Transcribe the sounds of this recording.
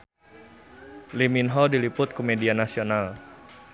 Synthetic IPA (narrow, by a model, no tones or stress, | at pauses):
liminɦɔdilipʊt̪̚kumedianasional